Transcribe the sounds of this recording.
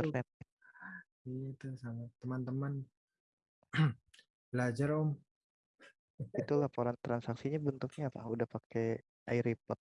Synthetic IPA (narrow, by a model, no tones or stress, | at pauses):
ərnɛt̪ | ɡit̪usaŋat̪ːəmant̪əman | bəlad͡ʒaɾɔm | it̪ulapoɾant̪ɾansaksiɲabənt̪ʊk̚ɲapa̰udahpake | ʔaiɾipɔt̪̚